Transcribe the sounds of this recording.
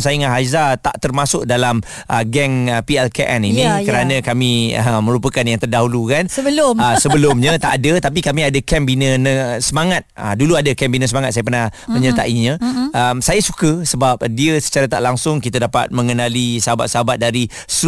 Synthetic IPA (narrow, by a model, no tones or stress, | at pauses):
sajɪŋaɦazat̪a̰ʔt̪ərmasʊk̚dalam | ʔəɡɛŋəpiɛlkeʔɛninikəɾanãkamĩəmə̃ɾupəkanjaŋt̪ərdaɦulukanəbəlʊəsəbəlʊmɲə̃t̪aʔadət̪ap̬ikamĩadakɛmbinənəsəmaŋat̪̚ə̰duluadəkɛmbinəsəmaŋat̪̚sajap̬ərnahmə̃ɲərt̪aʔiɲə̃əmsajasukəsəbap̚diəsə̥t͡ʃaɾat̪aʔlaŋsʊŋkit̪adapa̰t̪̚mə̃ŋənalisəɦaba̰t̪̚səɦabat̪̚daɾi | s